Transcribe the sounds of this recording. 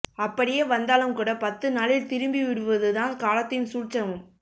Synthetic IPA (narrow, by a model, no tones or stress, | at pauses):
ɐpːɐɽɪjeːʋɐnd̪aːlɯmkuːɽɐpɐt̪ːɯnaːlɪlt̪ɪɾɯmbiʋɪɾɯʋɐðɯðãːnkaːlɐt̪ːɪjmsuːt͡ʃːɐʋɯm